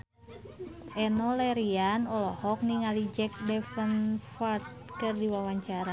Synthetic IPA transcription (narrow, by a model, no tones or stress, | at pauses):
ʔɛnolɛɾianɔlɔhɔk̚niŋalid͡ʒɛk̚dɛfənfart̪̚kɨrdiwawaɲt͡ʃaɾa